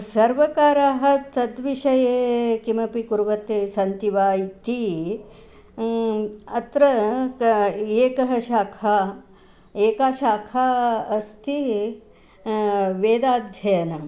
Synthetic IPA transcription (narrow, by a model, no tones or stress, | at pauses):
sɐɾʋɐkaːɾaːɦɐ̆t̪ɐd̪ʋiʃɐjeːkimɐpikuɾʋɐt̪eːsɐnt̪iʋaːjt̪i | ɐt̪ɾɐ | eːkɐɦɐʃaːkʰaː | eːkaːʃaːkʰaːɐst̪ʰi | ʋeːd̪aːd̪ʱjɐjɐnɐ